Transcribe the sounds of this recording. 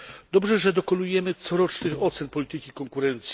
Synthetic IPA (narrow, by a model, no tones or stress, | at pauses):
d̪ɔbʐɛʐɛd̪ɔkɔnujɛmɘt̪sɔɾɔt͡ʂnɘxɔt̪sɛnpɔlʲit̪ɘkʲikɔŋkuɾɛnt̪sʲ